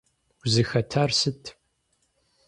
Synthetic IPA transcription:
wzɨxɐtʰaːrsɨtʰ

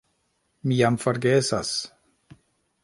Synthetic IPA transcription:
miamfaɾɡesa̰s

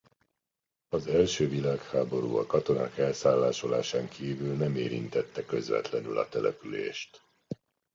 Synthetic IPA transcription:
ɒzɛlʃøːvilaːkhaːbo̞ɾṵːɒ̰kɒt̪o̞na̰ːkɛlsaːlːaːʃo̞laːʃaːŋkʰiːvylnɛmeːɾḭnt̪ɛt̪ːɛkø̞zvɛ̰t̪lɛnylɒ̰t̪ɛlɛpylḛːʃt̪

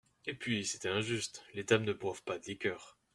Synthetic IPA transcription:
epɥise̥t̪ɛɛ̃ʒyst̪let̪amnəbwavpad̪əlekʲœːʁ

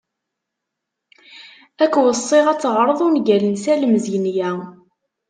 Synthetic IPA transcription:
ækːwəsˤːeʁæt͡sːʁɾˤəðˤunɡælənsæləmzijnjæ

